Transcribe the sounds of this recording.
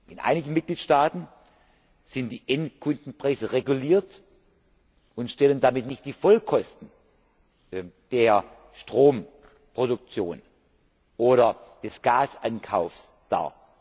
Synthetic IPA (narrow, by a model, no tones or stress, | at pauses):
ʔɪnʔa̰ɪnɪɡn̩mɪt̚ɡ̥liːtʃtaːtn̩ | z̥ɪntd̥iːʔɛntkʰʊndn̩pʁ̥aɪzəʁeɡuliːɐt | ʔʊntʃtɛləndamɪtnɪçt̚d̥iːfɔlkʰɔstn̩ | d̥eːɐ | ʃtʁ̥oːm | pʁ̥odʊk̚t͡sjo̰ːn | ʔoːɾɐd̥ɛsɡ̥aːsʔankʰaʊfs | d̥a̰ː